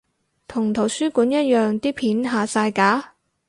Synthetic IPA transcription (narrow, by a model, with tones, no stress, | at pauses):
t̪ʰʊ˨˩ŋt̪ʰo˨˩wsyː˥kuː˨˥njɐ˥t̚jœː˨ŋt̪iː˥pʰiː˨˥nɦaː˨˧saː˧jkaː˨˥